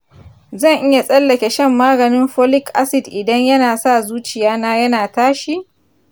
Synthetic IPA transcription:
zɐ˦˨ŋʔɪ˦ja˨sʼɐ˦lːɐ˨kʲe˨ʃɛ˦mːaː˦ɡɐ˨nɪ˦mɸo˦lɪ˦kʔa˦sɪ˨dʔɪ˨dɐ˦ɲjɐ˦naː˨sa˦˨zuː˦t͡ʃɪ˨jaː˦naː˦jɐ˦naː˨taː˦ʃi˦

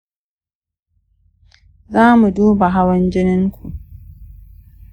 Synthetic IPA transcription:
zaː˦mu˨duː˦ba˨ɦa˦wɐ˦nd͡ʒɪ˦nɪ˦ŋkʰʷu˨ʔ

